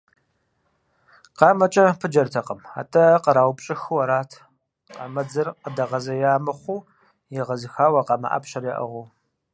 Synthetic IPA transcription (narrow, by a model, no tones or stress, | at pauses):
qɑːmɐt͡ʃʼɐpʰɨd͡ʒɐrtʰɐqəma̰ːtʰʼɐqəɾaːwpɕʼɪxɨwɐɾaːtʰ | qɑmɐd͡zɨrqədɐʁɐzɐjaːmɨχʷuː | jɪʁɐzɨxaːwɐqɑmɐ̰ʔɐ̰pɕɐrjɛʔɐ̰ʁʷʊː